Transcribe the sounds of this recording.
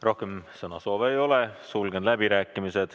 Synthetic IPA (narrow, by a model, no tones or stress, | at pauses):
ro̞hkemsɤnɑsoːvejo̞lesulɡ̥enlæbiɾæːkˑːimised̪̥